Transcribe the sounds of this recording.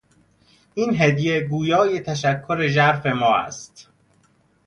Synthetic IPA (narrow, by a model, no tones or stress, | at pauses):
ʔiːnɦed̪jeɡuːjɒːjet̪ʰæʃækʰːoɾeʒæɾfe̞mɒːæ̰st̪